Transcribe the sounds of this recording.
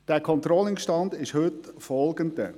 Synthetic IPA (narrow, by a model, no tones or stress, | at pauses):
d̥ɛːkʰɔntrɔlɪŋʃtɑndɪʃhʏtfɔlˠɡəndə